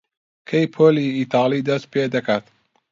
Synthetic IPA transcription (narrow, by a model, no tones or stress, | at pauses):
kʰɐjpʰoːliiːt̪ʰɑːlid̪ɐst̪̚pʰeːd̪ɐkaːt̪